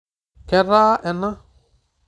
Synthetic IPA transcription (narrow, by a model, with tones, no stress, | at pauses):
kɛ˦ɾaː˦ʔɛ˨na˦